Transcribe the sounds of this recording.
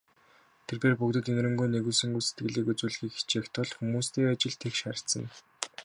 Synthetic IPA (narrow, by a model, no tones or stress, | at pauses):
t̪ʰerpeːrpukt̪ɘ̆t̪enɾɘ̆mɡuːjneɣuːsɵ̆ŋɡujset̪̚ɡɘ̆ɮiːkut͡suːɮ̆xiːkxi̥t͡ɕekʲt̪ʰɔɮxumuːst̪eːat͡ɕɪ̆ɮt̪ʰekʃaɾ̆ɬsə̆n